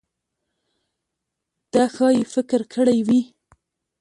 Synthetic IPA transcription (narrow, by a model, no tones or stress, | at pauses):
d̪̥axɑjefɪkɪɾkʰəɽajwi